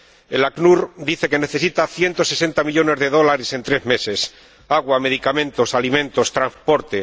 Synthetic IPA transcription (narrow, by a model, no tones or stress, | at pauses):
elaknuɾd̪iθe̞ke̞neθe̞sit̪aθje̞nt̪o̞se̞se̞nt̪amiʎo̞ne̞zðe̞ð̞o̞laɾese̞nt̪ɾezme̞se̞s | aɣwame̞ð̞ikamẽnt̪o̞salimẽ̞nt̪o̞st̪ɾanspo̞ɾt̪e